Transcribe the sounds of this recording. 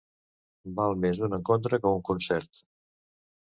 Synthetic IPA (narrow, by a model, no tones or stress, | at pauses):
balˠmezd̪unəŋkont̪̬ɾəkəuŋkunsɛɾt̪